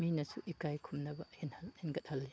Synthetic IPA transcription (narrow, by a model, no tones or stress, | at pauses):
minɐsuʔikajkʰumnɐbɐenhenɡɐt̚hɐlːi